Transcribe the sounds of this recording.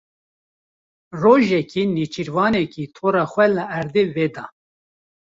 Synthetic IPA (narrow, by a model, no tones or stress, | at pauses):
roːʒɛkinit͡ʃiɾvɑːnɛkit̪ʰoːɾɑːxʷɛləæɾd̪eːveːd̪ɑ̰ː